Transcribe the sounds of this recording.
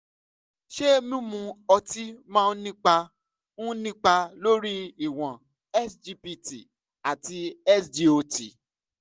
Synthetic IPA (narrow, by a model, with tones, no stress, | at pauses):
ʃe˦mĩ˦mũ˧ɔ˧ti˦mãː˦˧n̩˦nĩ˦k͡pa˧ | nũ˦nĩ˦k͡pa˧lo˦ɾi˦i˨w̃ɔ̃˨ | ɛ˦sd͡ʒi˧pi˧ti˨ | a˨ti˧ɛ˦sdi˧o˧ti˨